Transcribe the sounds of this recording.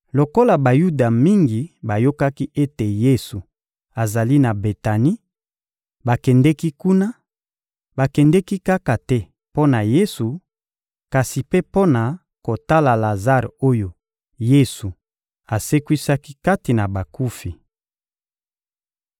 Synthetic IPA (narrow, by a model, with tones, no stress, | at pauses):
lo˨ko˦la˨ba˨ju˦da˨mi˦ŋɡi˨ba˨jo˦ka˦ki˦ʔe˦te˨je˦su˨ | a˨za˨li˦na˨be˨ta˨ni˦ | ba˨kɛ˨ndɛ˦ki˦ku˦na˦ | ba˨kɛ˨ndɛ˦ki˦ka˦ka˨tɛ˦ | po˦na˨je˦su˨ | ka˨si˨pe˦po˦na˨ | ko˨ta˦la˨la˨za˦ʁo˦jo˦ | je˦su˨ | a˨se˦kwi˦sa˦ki˦ka˦ti˨na˨ba˨ku˦fi˨